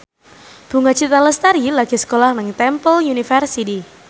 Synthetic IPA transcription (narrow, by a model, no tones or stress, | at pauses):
b̥uŋḁt͡ʃit̪aləst̪aɾilaɡ̥isə̥kolahnɪŋt̪ɛmpəljunifərsit̪i